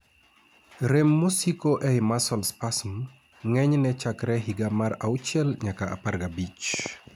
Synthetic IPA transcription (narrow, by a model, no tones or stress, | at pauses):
ɾemːusikoʔɛjmasɔlspasm | ŋɛɲnɛt͡ʃakɾɛɦiɡamaɾaut͡ʃɛlɲakaʔa̰parɡabit͡ʃ